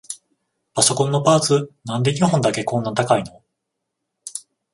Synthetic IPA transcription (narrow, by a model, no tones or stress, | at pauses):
paso̞kõ̞nːo̞paːt͡sɨnãnd̪e̞ɲ̟iɦõnd̪ake̞kõ̞nːat̪akaino̞